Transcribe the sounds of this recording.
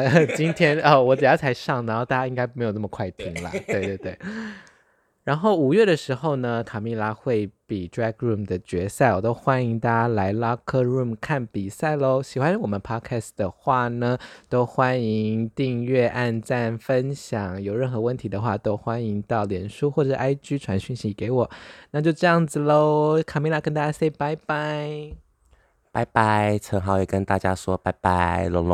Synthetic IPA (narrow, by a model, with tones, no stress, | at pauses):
t͡ɕi˥nt̪ʰjɛ˥nə˥˩wɔ˧˥ʈ͡ʂa˨˩jɑ˥˩t͡sʰa˧˥ɪʂɑ˥˩ŋ˧˥nxo˥˧ʊt̪a˥˧˩ja˥i˥ŋka˥ɪpme˧˥jo˨˩nə˥˩mə˨kʰwa˥˩ɪp̪ʰi˧˥ŋlə̰˨t̪we˥˧ɪt̪we˥˧ɪt̪we˥˩ɪ | ɻa˧˥nxo˥˩ʊu˨˩ɥɛ˥˩d̪ə˩ʂɻ̩˧˥xo˥˩ʊnə˩kʰa˨˩mi˥˩la˥xwe˥˩ɪpi˨˩tɹɛ˥kɹu˥˩md̪ə˨t͡ɕɥɛ˧˥sa˥˩ɪwɔ˨˩t̪o˥ʊxwa˦˥ni˧˥ŋt̪a˥la˧˥ɪla˥kʰə˥˧ɻu˥˩mkʰa˥˩npi˨˩sa˥˩ɪlo˧˦ɕi˨˩xwa˦nɻ̩˥˩wɔ˨˩mə˦npʰɑ˥kʰɛ˥˩sd̪ə˩xwa˥˩nə˩t̪o˥ʊxwa˦˥ni˧˥ŋt̪i˥˧ŋɥɛ˥˧ʔa˥˧nʈ͡ʂa˥˩nfə˦nɕjɑ˨˩˦ŋjo˨˩ʊɻə˥˩nxɤ˧˥wə˥˩nt̪ʰi˧˥d̪ə˧xwa˥˩t̪o˥ʊxwa˦˥ni˧˥ŋt̪ɑ˥˩ʊljɛ˨˩nʂu˥xwɔ˥˩ʈ͡ʂʂʔa˥ɪt͡ɕy˥ʈ͡ʂʰwa˧˥nɕy˥˩nɕi˧˥ke˧˥ɪwɔ˨˩˦na˥˧t͡ɕjo˥˧ʊʈ͡ʂɤ˥˧jɑ˥˩ŋd͡zɹ̩˨˩lo˧˥˩ʊkʰa˨˩mi˧˥ŋla˧˥˩kə˥nt̪a˥˧˩t͡ɕa˥se˥˩ɪpa˧˥ɪpa˧˥ɪ | pa˧˥ɪpa˧˥˦ɪʈ͡ʂʰə˧˥ŋxɑ˨˧˥ʊjɛ˨˩kə˦nt̪a˥˧t͡ɕja˥ʂwɔ˥pa˧˥ɪpa˧˥lʊ˧˥ŋl